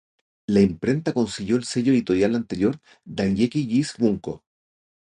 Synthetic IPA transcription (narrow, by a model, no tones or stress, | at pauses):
laimpɾe̞nt̪ako̞nsiʝjo̞elseʝoeit̪o̞ɾjalant̪eɾjo̞ɾ | d̪aŋjekiʎisβuŋko̰